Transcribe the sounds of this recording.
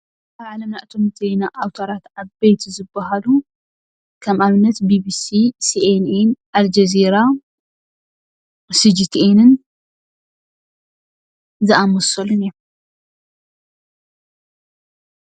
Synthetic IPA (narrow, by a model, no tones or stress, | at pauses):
ʔaβʕalɐmnaʔt̪ʰomɨt̪ʰejnaʔawt̪ʰɐɾat̪ʕaβejt̪ʰzɨbːɐɦalu | kʰɐmʔaβɨnːɐt̪bibisisiʔenenʔald͡ʒɐziɾa | sɨd͡ʒit̪ʰenɨn | zɨʔamɔsɐluniɾo